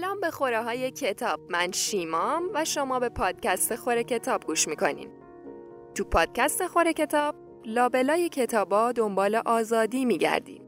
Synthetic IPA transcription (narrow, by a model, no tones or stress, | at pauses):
alɒːmbe̞xoɾɛɦɒːjecʰe̞t̪ʰɒːb̥̚mænʃiːmɒmvæʃomɒːbe̞pʰɒːd̪̥̚cæst̪e̞xo̞ɾe̞cʰe̞t̪ʰɒːb̚ɡuːʃmiːkʰo̞̰nḭːm | t̪ʰupʰɒːd̪̥̚cæst̪exoɾe̞cʰe̞t̪ʰɒːb̥̚ | lɒːbe̞lɒːjecʰe̞t̪ʰɒːbɒːd̪o̞mbɒːle̞ʔɒːzɒːd̪iːmiːɟæ̰ɾd̪ḭːm